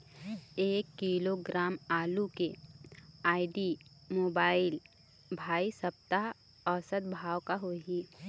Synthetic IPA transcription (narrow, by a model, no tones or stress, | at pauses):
eːkːiːloɡɾaːmaːluke | aːɪɖi | moːbaːɪl | bʱaːisəp̚t̪a | ɔːsəd̪̚bʱaːwkaɦoːɦiː